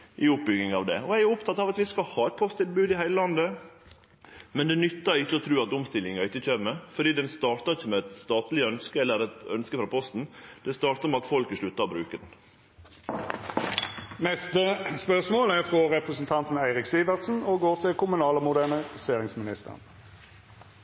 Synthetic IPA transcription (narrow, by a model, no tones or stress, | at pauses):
ʔɪʊp̚bʏɡnɪŋɑʋd̪ɛ̰ɔæɪæʊpt̪ʰɑt̪ːɑːʋɑt̪ʋɪskɑlhɑːɛt̪̚pʰɔst̪ʰɪlbʉːd̪ɪhæɪləlɑnd̪ə | mɛnd̪ɛnʏt̪ːəɾɪçːəɔt̪ʰɾʉːɑt̪ʊmst̪ɪlːɪŋɑɪtːəc͡çøːməfɔɖ̪iːd̪ɛnst̪ɑːɾt̪əɪçːəmɛɛt̪st̪ɑːt̪lɪœnskəɛlːəɾɛt̪œnskəfɾɑːpʰɔst̪n̩d̪̥ɛst̪ɑːɾt̪əmɛɑt̪fɔlkəʂɭʉt̪ːɑbɾʉːkəd̪n | nɛst̪əspœʁsmoːlæʁfʁɔʁɛpʁəsən̩t̪ʰɑnt̪n̩æɪʁɪksiːʋəʁt̪sn̩ɔɡoːt̪ʰɪlkʊmʉnɑːləmʊd̪æɳəseːʁɪŋsmɪnɪst̪ə̰ʁən